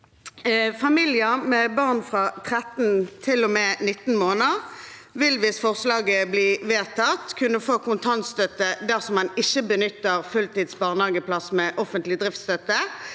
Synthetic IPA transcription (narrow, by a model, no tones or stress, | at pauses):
fɑmiljəmɛbɑʁnfʁɑt̪ʰʁɛt̪n̩t̪ʰɪlːɔmɛnɪt̪ːn̩moːnəʁ | ʋɪlʋɪsfɔʁslɑːɡəbliːʋeːt̪ʰɑt̪kʰʉnəfoːkʰʊnt̪ʰɑnt̪st̪œt̪əd̪æʁsɔmhɑnɪçəbənʏt̪ːəʁfʉlt̪iːd̪sbɑːʁnhɑːɡəpʰlɑsmɛʔɔfənt̪lɪd̪ʁɪft̪st̪œt̪ə